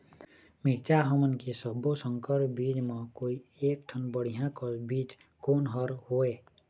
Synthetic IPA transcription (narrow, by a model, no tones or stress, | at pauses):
mɪɾt͡ʃaɦəmənkesəbosə̃ŋkəɾbiːd͡ʒmẽkoːieːk̚ʈʰənbəɽ̤ijãkəsbiːt͡ʃ | koːnɦəɾɦoːeː